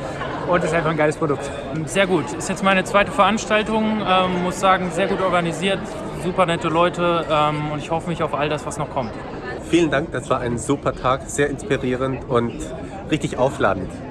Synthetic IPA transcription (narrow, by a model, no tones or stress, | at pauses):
ʔʊntɛstaɪnfaχnɡaɪləspʁ̥odʊk̚t | zeːɐɡuːtʰɪstjɛt͡stmaɪnət͡sv̥aɪtəfɛɐʔanʃtaltʊŋʔɛːmːʊsz̥aːɡŋ̩zeːɐɡuːtɔɐɡaniziːɐt | zuːpɐnɛtəlɔʏtəʔɛːmʊntɪçhɔfəmɪçaʊfʔaldasv̥asnɔχkʰɔmt | fiːləndaŋk̚d̥asv̥aːɐʔaɪnzuːpɐtʰaːkz̥eːɐɪnspiʁiːʁ̞əntʊnt | ʁɪçtɪçʔaʊfla̰ːdn̩t